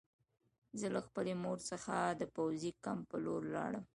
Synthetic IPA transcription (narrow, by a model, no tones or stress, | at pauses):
zəlaxpəlemoɾsəxad̪əpawzikampəloɾlɑ̰ɽəm